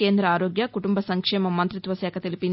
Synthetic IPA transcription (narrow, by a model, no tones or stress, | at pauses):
e̞ːnd̪ɾɐaːɾoːɡjɐkuʈumbɐsɐŋkʂɛːmɐmːɐnt̪ɾit̪ʋɐsɛːkʰɐt̪elipin